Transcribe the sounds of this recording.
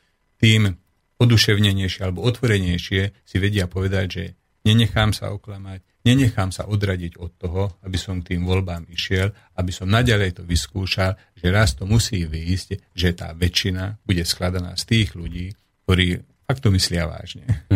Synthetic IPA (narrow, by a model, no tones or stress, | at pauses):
t̪iːm | ɔd̪uʃɛʊɲɛɲɛjʃɪɛalɛbɔɔt̪ʋɔɾɛɲɛjʃɪɛsiʋɛɟɪapɔʋɛd̪aɟʒɛ | ɲɛɲɛxaːmsa̰ɔklamac | ɲɛɲɛxaːmsa̰ʔɔd̪ɾaɟiɟɔt̪ːɔɦɔabisɔmk̚t̪iːmʋɔlbaːmiʃɪɛl | abisɔmnaɟalɛjt̪ɔʋiskuːʃal | ʒɛɾast̪ɔmusiːʋiːzcʒɛt̪a̰ːʋɛt͡ʃːinabuɟɛsklad̪ana̰ːst̪iːɣluɟiːk̚t̪ɔɾiː | fakt̪ɔmislɪaʋa̰ːʒɲɛ